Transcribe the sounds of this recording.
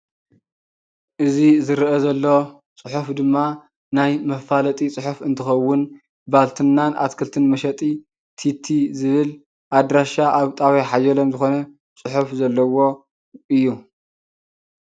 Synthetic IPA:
ʔɨzizɨɾʔɐzɐlːo̞ | t͡sʼɨħufd̪ɨmːa | najmɐfalɐt̪ʼit͡sʼɨħufɨnt̪ʰɨxɐwːʊn | balt̪ʰɨnːanʔa̰t̪kʰɨlt̪ʰɨnmɐʃɐt̪ʼi | t̪ʰit̪ʰːizɨβɨl | ʔad̪ɾaʃaʔaβt̪ʼawiħajɐlomzɨxo̞nɐ | t͡sʼɨħufzɐlːɐwo̞ | ʔɨjːu

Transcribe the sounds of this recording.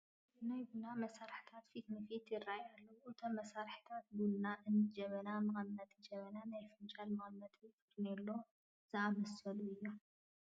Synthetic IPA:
najɡunamɐsaɾħi̥t̪ʰat̪fit̪nɨfit̪jɪrajalːɐʔɨt̪ʰommɐsaɾħi̥t̪ʰat̪̚bulnaʔɨnɨd͡ʒɐβɐnamɨxɐnːɐt̪d͡ʒɐβɐnanajfɨnt͡ʃʼalmɨxɐnːɐt̪it̪it̪nelːo | z̥ɨamɐsɐluɨjːo

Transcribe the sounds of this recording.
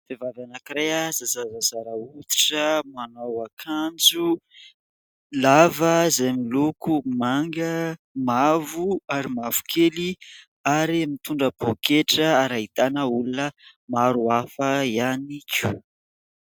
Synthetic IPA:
fevavanakiɾeəzazazazaɾəut̪i̥ʈ͡ʂəmanawakʰand͡zu | lavəzamilukumaŋɡə | mavuaɾimavu̥kʰeli | aɾimit̪uɳɖ͡ʐəb̥okeʈ͡ʂəaɾait̪anəulunə | maɾuafəianikʲu̥

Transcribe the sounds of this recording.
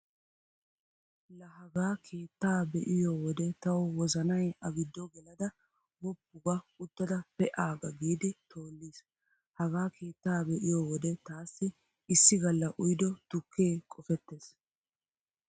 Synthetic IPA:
lɐɦɐɡaːkʰe̞ːt̪ːaːbɛʔɪjowɔd̪ɛt̪ɐwwɔzɐnɐjɐɡɪd̪ːɔɡɛlɐd̪ɐ | wɔbːʊɡɐʊt̪ːɐd̪ɐpɛʔaːɡɐɡiːd̪ɪt̪o̞ːlːiːs | hɐɡaːke̞ːt̪ːaːbɛʔɪjoːwɔd̪ɛt̪aːsːɪ | ɪsːɪɡɐlːɐʔʊjd̪ɔt̪ʊkʰːeːkʼɔfɛt̪ːeːs

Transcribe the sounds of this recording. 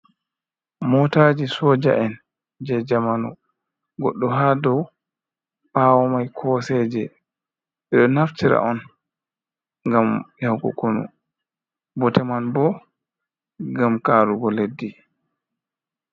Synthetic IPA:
mɔtaːd͡ʒisɔd͡ʒa̰ʔɛn | d͡ʒɛd͡ʒamanɔ | ɡɔɗːɔɦadɔw | ɓawɔmajkʰɔsɛːd͡ʒɛ | ɓɛɗɔnaftiɾa̰ʔɔn | ŋɡamjawkɔ̰konṵ | bɔtɛmanbɔ | ɡamkaːɾuɡɔledːi

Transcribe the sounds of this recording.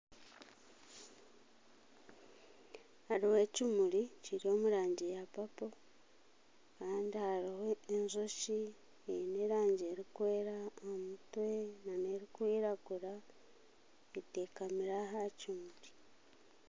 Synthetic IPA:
haɾiwe̞cimuɾiciɾio̞ːmuɾaːɲɟijapapo | kaːndihaɾiweːnzoʃi | eneɾaːɲɟeɾikwe̞ːɾaomutwe̞nane̞ɾikwiːɾaɡuɾa | eteːkamiɾaɦacimuɾi̥

